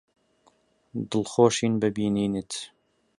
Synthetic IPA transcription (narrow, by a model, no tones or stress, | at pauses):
d̪əlxoːʃiːnbɨbiːniːnət̪